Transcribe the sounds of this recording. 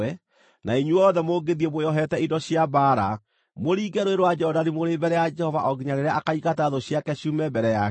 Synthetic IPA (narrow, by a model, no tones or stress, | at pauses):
ɛ | naiɲuɔðɛmoɡeðiɛmojɔɦɛtɛidɔɕjabaːɾa | moɾiːɡɛɾoeɾwad͡ʒɛhɔdaɾimoɾebɛɾɛjad͡ʒɛhɔvaʔɔɡiɲaɾeɾɛʔakaiɣataðɔɕjakɛɕuːmɛbɛɾɛja